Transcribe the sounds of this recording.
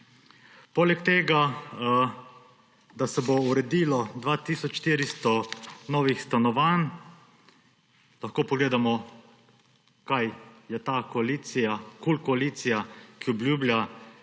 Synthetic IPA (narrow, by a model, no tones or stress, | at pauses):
poːlɛkt̪eːɡa | d̪asɛbouɾɛd̪iːlɔd̪ʋaːt̪iːsɔt͡ʃʃt̪iːɾist̪ɔnɔːʋixst̪anɔʋaːn | laxkoːpɔɡleːd̪amɔ | kajjɛt̪akɔaliːt̪sijakulkɔaliːt̪sijakiɔblʲjuːblʲja